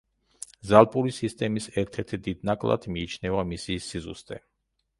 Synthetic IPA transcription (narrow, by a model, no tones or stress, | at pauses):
zalˠpʼuɾisist̪ʼɛmisɛɾt̪ʰɛɾt̪ʰid̪id̪̚nakʼlˠa̰d̪̥miːt͡ʃʰnɛvamisisizṵst̪ʼɛ